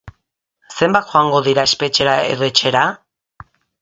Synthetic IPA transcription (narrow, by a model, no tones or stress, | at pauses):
se̞mbat̪xoaŋɡo̞ðiɾae̞spe̞t͡ʃe̞ɾaḛret͡ʃe̞ɾa